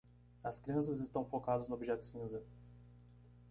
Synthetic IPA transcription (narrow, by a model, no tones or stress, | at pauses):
ɐskɾiɐ̃s̬ɐzɪst̪ɐ̃w̃fokad̪ɐznʊobiʒɛt̪ʊ̥sĩzɐ